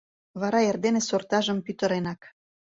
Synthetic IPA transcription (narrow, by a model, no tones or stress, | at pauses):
βɑɾɑerd̪enesort̪ɑʒə̆mpyt̪ə̆ɾenɑk